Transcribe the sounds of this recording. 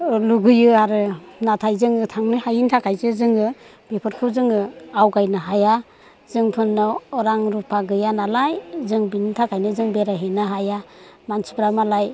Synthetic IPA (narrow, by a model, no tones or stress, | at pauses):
luɡɯjɯaɾɯnatʰajzɯŋɯtʰaŋnɯhajintʰakʰajzɯzɯŋɯ | b̥epʰɯɾkʰɯzɯŋɯawɡajnɯɦaja | zɯŋpʰɯnːɔɔɾaŋɾupʰaɡɯjanalajzɯŋbinitʰakʰajnɯzɯŋbeɾaɦenɯɦajamansu̥bɾamalaj